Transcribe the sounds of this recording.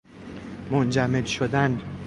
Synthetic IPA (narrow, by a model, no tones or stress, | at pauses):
mond͡ʒæmed̪ʃod̪æn